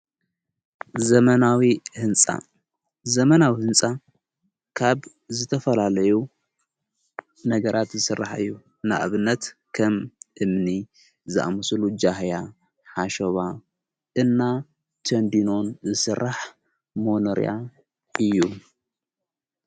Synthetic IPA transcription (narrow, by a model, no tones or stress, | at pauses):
zɐmɐnawihɨnt͡sʼa̰ | zɐmɐnawihɨnt͡sʼa | kʰaβ | zɨt̪ʰɐfɐlalɐju | nɐɡɐɾʔat̪zɨsɨrːaħɨ̰jːu | na̰ʔaβɨnːɐt̪kʰɐmʔɨmni | zɨʔa̰mɨslud͡ʒahja | ħaʃoβa | ʔɨnːa | t̪ʰond̪ino̞nzɨsɨrːaħ | monɐɾ̰a̰ | ɨjːu